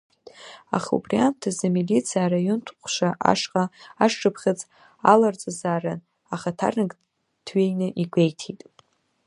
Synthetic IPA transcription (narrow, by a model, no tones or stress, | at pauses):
a̰χṵbriantʰazamilit͡sʰijaɾajuntʷʰqʷʰʃaʔa̰ʂqʼaaʂʈ͡ʂʰʼɨpʰχʲɪt͡sʼ | alart͡sʼazaːran | aχatʰa̰rnɨɡ | tʰɥejnɨʔiɡʷejtʰitʼ